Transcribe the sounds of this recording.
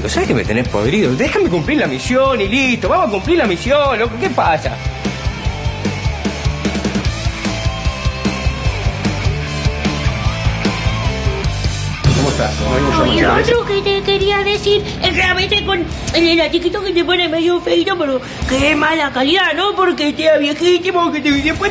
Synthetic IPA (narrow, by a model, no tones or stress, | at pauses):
osaβekemet̪enehpo̰ðeɾiðoðexamekumpliɾlamisjonilist̪oβamosakumpliɾlamisjolokokepasa̰ | komoest̪a̰onnomilot̪ɾoket̪ekeɾiaðesiɾ | esrealment̪eko̞n | elelat͡ʃikit̪oket̪ep̬o̞nemeðjofejt̪opeɾo | keemalakaliðanopoɾket̪eaβje̞xit̪imoket̪eiðepwe